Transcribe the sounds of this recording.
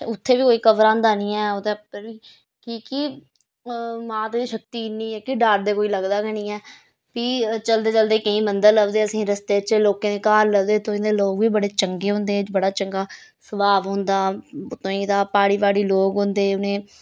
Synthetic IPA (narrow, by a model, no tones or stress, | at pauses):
ʊt̪ʰːeːʋiːkoːiːkəʋɾãːnd̪aːnĩːɛːot̪eəɾʋiː | kiːki | mãːt̪oːiːʃəkt̪iːnĩːɛːkiɖaːɾd̪eːkoːiːləɡd̪aːkənĩːɛː | piːt͡ʃəld̪eːt͡ʃəld̪eːkəĩːmənd̪əɾləbd̪eːəsĩːɾəst̪eːt͡ʃloːkeːneːkaːɾləbd̪eːt̪õːĩːd̪eːloːɡʋiːbəɽeːt͡ʃəŋɡeːɦʊ̃nd̪eːbəɽaːt͡ʃəŋɡaːsəbaːʋɦõːnd̪aːʊt̪ːõːĩːd̪aːpaːɽiːbaːɽiːloːɡɦõnd̪eːʊnẽː